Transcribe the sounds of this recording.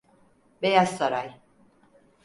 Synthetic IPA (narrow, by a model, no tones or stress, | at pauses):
bejazsaɾaj